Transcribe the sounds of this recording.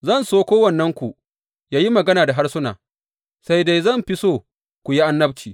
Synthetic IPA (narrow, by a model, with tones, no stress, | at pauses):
zɐ˦˨nsoː˦kʷoː˦wɐ˨nːɐ˦ŋkʷu˨ | jaː˦ji˦mɐ˨ɡɐ˦naː˨da˨ɦa˦rsʊ˦na̰ː˨ | sa˦jde˦jzɐ˦˨mɸɪ˦soː˦˨ | kʷu˨ji˦ʔa˦nːɐ˦b̚t͡ʃiː˨